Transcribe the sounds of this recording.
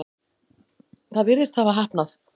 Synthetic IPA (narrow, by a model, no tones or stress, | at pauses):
θaðvɪɾðɪst̪θavaɦahpnaθ